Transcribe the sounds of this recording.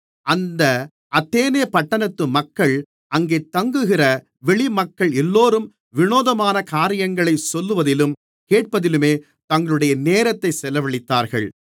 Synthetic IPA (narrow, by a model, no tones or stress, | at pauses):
ɐnd̪ɐ | ʔɐt̪ːeːneːpɐʈːɐnɐt̪ːɯmɐkːɐɭ | ʔɐŋɡeːt̪ɐŋɡɯɣɪrɐ | ʋɛɭɪmɐkːɐɭɛlːoːɾɯm | ʋɪnoːðɐmaːnɐkaːɾɪjɐŋɡɐɭɐɪsɔlːɯʋɐðɪlɯm | keːʈ̚pɐðɪlɯmeː | t̪ɐŋɡɐɭɯɽɐjɐneːɾɐt̪ːɐɪsɛlɐʋɐɭɪt̪ːaːɾɣɐ̰ɭ